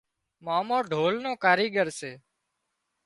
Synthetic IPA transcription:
maːmõːɖʱoːlnõːkaːɾiːɡəɾseː

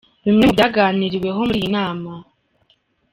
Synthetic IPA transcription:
βimŋemubɟaɡaːniɾiwe̞ɦo̞muɾiːnaːma

